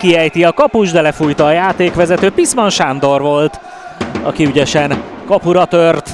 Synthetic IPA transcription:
kiɛjt̪iɒkɒpuʒd̪ɛlɛfujt̪ɒːjaːt̪eːkʋɛzɛt̪øːpismɒnʃand̪o̞rʋo̞lt̪ | ɒ̰kiyɟɛʃɛn | kɒpuɾɒt̪ørt̪

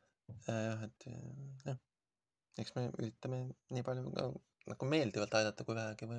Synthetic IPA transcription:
jɑjɑɦet̪ːˑjɑh | eksmey̰ɾit̪ːɑmeniːpɑlʲjukɑ̰ | nʔɑɡ̥ume̞ːld̪ivɑlt̪ɑjd̪ɑt̪ːˑɑkujvæɦæɡ̥ivɯ

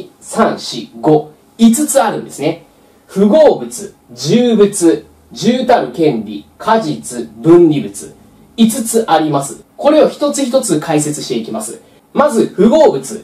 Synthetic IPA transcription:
sãɰ̃ɕiɡo̞ | it͡sɨt͡sɨaɾɯ̟̃nd̪e̞sɨne̞ | ɸɯ̟ɡo̞ːbɯ̟t͡sɨ | d͡ʑɨːbɯ̟t͡sɨ | ʑɨːt̪aɾɯ̟kẽ̞nɾʲḭkʰaʑit͡sɨbɯ̟̃nɾʲibɯ̟t͡sɨ̰ | it͡sɨt͡sɨʔaɾʲimasɨ | ko̞ɾe̞oçi̥t̪o̞t͡sɨçit̪o̞t͡sɨkʰaise̞t͡sɨɕt̪e̞ikʲimasɨ̰ | mazɨɸɯ̟ɡo̞ːbɯ̟t͡sɨ

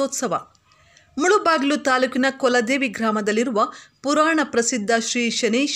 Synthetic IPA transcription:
ɔːt̪sɐʋɐ̰ | muɭubaːɡilut̪aːluːkinɐkɔlɐd̪eːʋiɡɾaːmɐd̪ɐlːiɾuʋɐpuɾaːɳɐpɾɐsid̪ʱːɐʃɾiːʃɐneːʃ

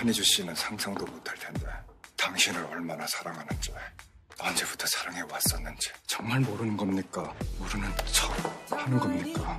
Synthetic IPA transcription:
aɲid͡ʑuɕ͈inɯnsʰaŋsʰʌŋdomotʰaɭtʰe̞nde̞taŋɕʰinɯɾʌ̰ɭmanasʰaɾaŋɦanɯnt͡ɕʌe | ʌnd͡ʑebu̥tʰʌsʰaɾaŋe̞was͈ʌnːɯnd͡ʑi̥t͡ɕʌŋmaɭmoɾɯnɯnɡʌmɲik͈auɾɯnɯnt͡ɕʰʌhanɯnɡʌmɲik͈a

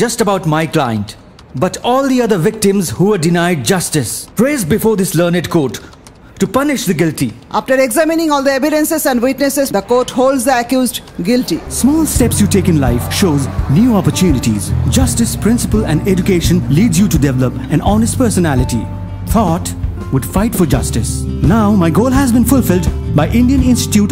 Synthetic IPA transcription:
d͡ʒʌstəbaʊʈmaɪklãɪə̰̃nt | bʌʈɔːld̪iʌd̪əɾʋɪk̚ʈɪ̃mzhuːəɖɪnaɪɖ̚d͡ʒʌstɪspɾeːzbɪfoːɾd̪ɪsləːnɪɖkʰoːʈː | upʌnɪʃd̪əɡɪlʈiʔaːfʈəɾɛɡzæmɪnɪ̃ŋɔːld̪əeʋɪɖə̃nsɪzæ̃nɖwɪʈnesɪzd̪əkoːʈhoːlɖzd̪əəkjuːzɖɡɪlʈismɔːlstɛpsjuːʈeːkɪ̃nlaɪfʃoːznjuːɔpəɾtʰjuːnɪʈḭzd͡ʒʌstɪspʰɾɪ̃nsɪpəlæ̃nɛd͡ʒukeːʃə̃nliːɖzjuʈudɛʋɛləpæ̃nɔnɪsʈ̚pɜːsənælɪʈḭ | t̪ʰɔt | wʊɖfaɪʈfɔɾd͡ʒʌstɪsnaʊmaɪɡoːlɦæzbĩnfʊlfɪldbaɪʔɪ̃nɖiə̃nɪ̃nstɪ̥ʈjuːʈ

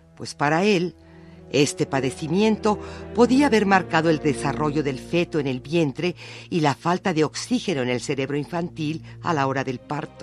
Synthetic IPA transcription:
pwe̞spaɾae̞l | e̞st̪e̞paðe̞simje̞nt̪o̞po̞ðiaːβe̞ɾmaɾkaðo̞e̞ld̪e̞saro̞ʝo̞ðe̞lfe̞t̪oene̞lbje̞nt̪ɾe̞ilafalt̪aðe̞o̞ksixe̞no̞ene̞lse̞ɾe̞βɾo̞iɱfant̪ila̰lao̞ɾaðe̞lpaɾt̪o

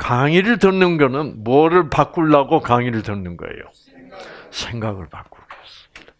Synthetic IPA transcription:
kaŋiɾɯɭtʌnːɯnɡʌnɯnmuʌɾɯɭpak͈uɭːaɡokaŋiɾɯɭtɯnːɯnɡʌ̰ḛjo̰ | sʰeŋɡaɡɯɭpak͈̚uɭk͈ʌs͈ɯmid̥a

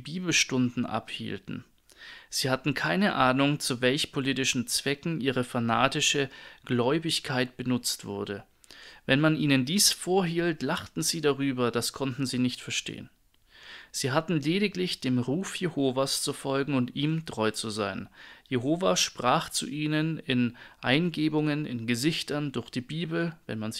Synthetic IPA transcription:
biːbl̩ʃtʊndn̩ʔa̰phḭːltn̩ | z̥iːhatn̩kʰaɪnəʔaːnʊŋt͡suvɛlçpʰoliːtɪʃn̩t͡sv̥ɛkŋ̩ʔiːʁəfana̰ːtɪʃəɡ̥lɔʏbɪçkʰaɪt̚b̥ənʊt͡stv̥ʊɐdə | vɛnmanʔiːnəndiːsfoːɐɦiːltlaχtn̩ziːdaʁyːbɐdaskʰɔntn̩ziːnɪçtfɛɐʃtḛːə̰n | z̥iːɦatn̩leːɾɪklɪçd̥eːmʁuːfjehoːvast͡sufɔlɡŋ̩ʊntʔiːmtʁ̥ɔʏt͡suzaɪnjeɦoːvaʃpʁ̥aːχt͡sṵʔiːnənɪnʔaɪnɡeːbʊŋənɪ̰nɡəzɪçtɐndʊɐçd̥iːbiːbl̩vɛ̰nmanz

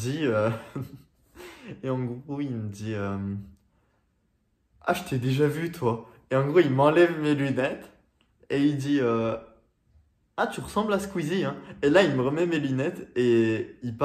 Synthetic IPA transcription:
d̪iø | eɑ̃ɡʁoilməd̪iøm | a̰ʒət̪ed̪eʒavyt̪ʰwa | eɑ̃ɡʁoilmɑ̃lɛvmelynɛt̪ | eild̪iø | at̪yʁəsɑ̃blasə̥kwiziɛ̃elailməʁəmɛmelynɛt̪eipa

